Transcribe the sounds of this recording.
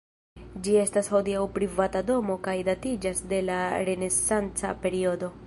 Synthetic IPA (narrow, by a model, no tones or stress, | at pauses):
d͡ʒie̞stasho̞diawpɾivatado̞mo̞kajdatid͡ʒasde̞laɾe̞ne̞sant͡sa̰pe̞ɾiodo̞